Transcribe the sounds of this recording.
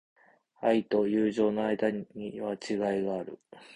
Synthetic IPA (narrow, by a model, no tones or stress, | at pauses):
ait̪o̞jɯːʑo̞ːnoaid̪aɲiβat͡ɕiɡaiɡaːɾɯ̟̰